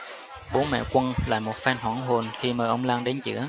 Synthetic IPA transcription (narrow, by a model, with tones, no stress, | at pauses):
ɓo˨˦mɛ̰˧˨kʷwə˧nla̰ː˧˨jmo˨˩t̚faː˧nɦwaː˧˩ŋɦo˨˩nxi˧məː˨˩jʔə˧wŋ͡mlaː˧ŋɗe˨˦nt͡ɕɨ̰˧˥ə